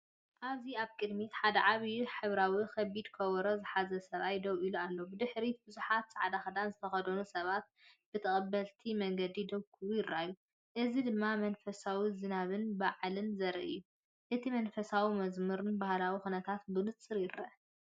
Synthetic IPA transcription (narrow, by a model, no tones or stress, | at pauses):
ʔaβziaβkʼɨd̪mit̪ħad̪ɐʕaβiħɨβɾawixʰɐbid̪kʰɐwɾozɨħazɐsɐβʔajd̪ɐwʔilualːobɨd̪ɨħɾibɨzuħat̪sʼaʕad̪axɐd̪anzɨt̪ʰɐxɐd̪ɐnusɐβat̪̚b̥ɨt̪ʰɐχʼɐbːɐlt̪ʰimɐŋɡɐd̪id̪ɐβkʰʼuujɪɾːaju | ʔɨzid̪ɨmːamɐnfɐsawizɨnaβɨnbaʕlɨnzɐɾɐ̰ʔɨ̰jːu | ʔɨt̪ʰimɐnfɐsawimɐzmɨɾɨnbahlawixunɐt̪ʰat̪bɨnɨt͡sʼːɨɾjɪɾɐ